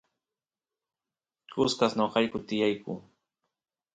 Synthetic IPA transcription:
kʊskasnoqɑʎkʊt̪ɪjajkʊ̰ː

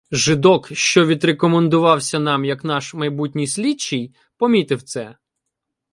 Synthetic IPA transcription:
ʒɪd̪ɔkʃt͡ʃɔʋʲid̪rekɔmend̪ʊʋɑwsʲɐn̪ɑmjɐkn̪ɑʃmɐjbutʲnʲijsʲlʲit͡ʃːij | pɔmʲit̪ɪwt̪sɛ

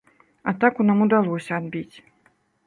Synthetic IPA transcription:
at̪akunamud̪alˠɔsʲɐad̪bʲit͡sʲ

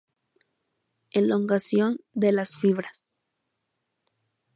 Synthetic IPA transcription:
eloŋɡasjo̞nd̪e̞lasfiβɾas

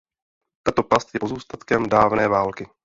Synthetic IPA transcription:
t̪ant̪oplast̪jɛpozuːst̪at̪kɛmdaːvnɛːvaːlkɪ

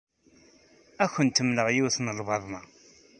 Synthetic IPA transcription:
æçənt̪əmləʁjiwθnəlvɑðˤnɑ

